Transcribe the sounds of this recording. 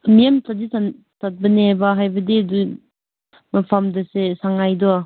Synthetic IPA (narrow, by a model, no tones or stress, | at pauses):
mijamtadisan | tat̚bɐnebaɦajbɐdidu | mɐpʰamdɐsesaŋajdɔa